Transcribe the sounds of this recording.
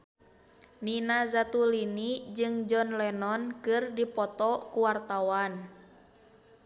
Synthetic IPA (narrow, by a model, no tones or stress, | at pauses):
ninazat̪ulinid͡ʒɨŋd͡ʒɔnlɛnɔnkɨrdipɔt̪ɔkuwart̪awan